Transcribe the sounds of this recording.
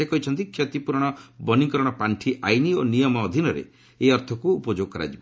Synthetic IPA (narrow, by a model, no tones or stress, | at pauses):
ekɔɦit͡ʃʰɔnt̪ikʰjɔt̪ipuɾɽ̃ɔbɔnikɔɾɔɽ̃ɔpaɳʈʰiʔajnionijɔmɔːd̪ʱinɔɾḛ | eɔɾt̪ʰɔkuːpɔd͡ʒoɡ̚kɔɾa̰d͡ʒibɔ